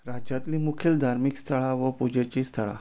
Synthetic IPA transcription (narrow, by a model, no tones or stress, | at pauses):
ɾad͡ʑat̪liːmukʰjeld̪ʱaɾmikst̪ʰəɭaʋəpud͡ʑet͡ɕiːst̪ʰəɭa̰